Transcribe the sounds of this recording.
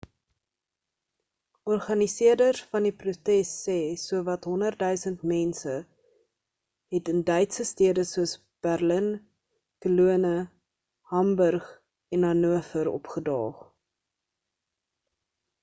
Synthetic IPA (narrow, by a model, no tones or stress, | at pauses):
ɔrχɐnisiərdərfɐndiprutɛsːɛːsuəvɐtɦɔnərtdœɥsəntmɛnsə | ɦɛtəndœɥtsəstiədəsuəs | b̥ærlən | kəluənə | hɐmbərχ | ɛnɐnuəfəɾɔ̰pχədɑ̰ːχ